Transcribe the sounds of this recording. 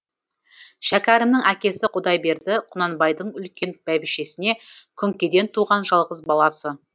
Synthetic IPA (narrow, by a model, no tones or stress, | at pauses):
ʃækʲæɾɪmnɪŋækʲe̞sɪqʰʊd̪ɑjbe̞ɾd̪ɪqʰʊnɑnbɑjd̪əɴʏlkʲe̞nb̥æbɪʃe̞sɪne̞kʲʰʏŋkʲe̞d̪e̞nt̪ʰuʁɑnʒɑlˠʁəzbɑlˠɑsə